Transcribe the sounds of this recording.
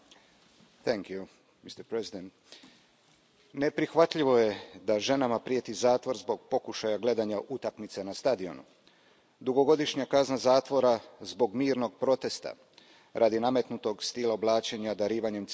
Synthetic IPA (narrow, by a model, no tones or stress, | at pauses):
θɛŋkju | mist̪ɛɾpɾezid̪ent̪ | ne̞pɾixʋat̪ʎiʋo̞jed̪aʒe̞namapɾiet̪izaːt̪ʋo̞ɾzbo̞ɡpo̞kuʃajaɡle̞d̪aɲaʔut̪akmit̪se̞nast̪ad̪io̞̰nṵ | d̪uɡo̞ɡo̞d̪iʃɲakaznazaːt̪ʋo̞ɾazbo̞ɡmiːɾno̞ɡ̚pɾo̞t̪e̞st̪a̰ | ɾʔad̪iname̞t̪nut̪o̞ɡst̪ilˠaoblˠaːt͡ʃe̞ɲad̪aɾiːʋaɲe̞m